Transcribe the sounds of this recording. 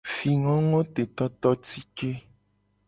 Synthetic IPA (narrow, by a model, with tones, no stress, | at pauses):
fi˨ŋɔ̃˦ŋɔ̃˦t̪e˨t̪ɔ˦t̪ɔ˦t̪i˦ke˦